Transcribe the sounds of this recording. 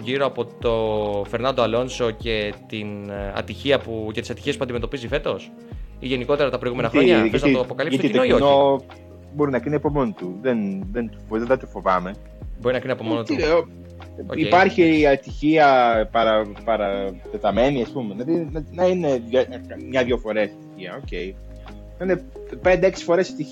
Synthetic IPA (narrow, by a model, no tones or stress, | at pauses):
ʝiɾo̞ɐpo̞t̪o̞fe̞ɾnɐnd̪oɐlo̞nso̞ce̞t̪inɐ̰t̪içiɐpuce̞t̪i̥sɐt̪içie̞spuɐnd̪ime̞t̪o̞pizife̞t̪o̞s | iʝe̞niko̞t̪e̞ɾɐt̪ɐpɾoiɣume̞nɐxɾoɲɐfesznt̪opo̞kɐlisnojoo | bo̞ɾinɐkɾiniepomont̪uðenðent̪u̥fðed̪ɐt̪ufo̞vɐme̞ | bo̞ɾinɐkiniɐpomonot̪i | ipɐɾçiɐt̪içiɐpɐɾɐpɐɾɐt̪e̞t̪ɐme̞niɐspumenɐðinɐnɐineɐmɲɐðʝofo̞ɾest̪içiɐo̞ce̞i | nɐine | pend̪eeksi̥fo̞ɾese̥t̪i